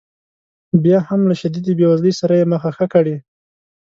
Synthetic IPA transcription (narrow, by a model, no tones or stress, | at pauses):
bjɑhamlaʃad̪id̪ibjewazləjsaɾajeməxaxəkaɽi